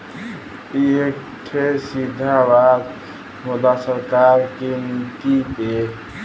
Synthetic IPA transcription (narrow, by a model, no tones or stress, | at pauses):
iek | ʈʰesid̪ʱabad̪ | mod̪asəɾkaɾkenit̪ip̪e